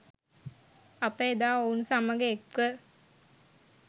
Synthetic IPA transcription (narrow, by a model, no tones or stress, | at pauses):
apeed̪aːounsaməɡeːkə